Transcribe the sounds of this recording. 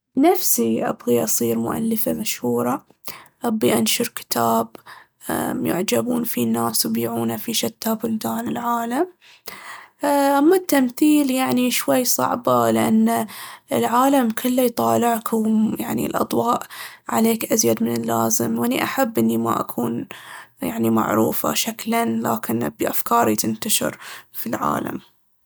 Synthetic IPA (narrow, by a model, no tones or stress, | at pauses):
nafsiʔa̰bɣiʔɑsˤiːɾmʊ̰ʔa̰lːɪfamaʃhuːɾˤɑ | ʔabːiʔanʃʊɾkɪ̥t̪ʰaːb | jɪ̰ʕd͡ʒabuːnfinːaːswjbiːʕuːnafiʃat̪ʰːabʊld̪aːnɪlʕaːlam | ʔamːat̪ːamθiːljaʕniʃwajːsˤɑ̰ʕbɑlɪʔanːaɪlʕaːlamkʰʊlːajt̪ˤɑːlɪʕkʰʊwjaʕnḭlʔɑ̰d̪ˤwɑːʔʕa̰leːkʔazjad̪mɪnɪlːaːzɪmwʔɪnːiʔaħabːʔɪnːima̰ʔa̰kʰuːnjaʕnima̰ʕɾuːfa̰ʃaklanla̰ːkɪnbʔafkɑːɾˤit̪ɪnt̪aʃɪ̰ɾfilʕa̰ːla̰m